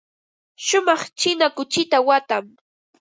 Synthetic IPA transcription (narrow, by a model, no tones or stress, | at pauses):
ʃʊmɑχt͡ʃɪnakʊt͡ʃɪt̪awat̪am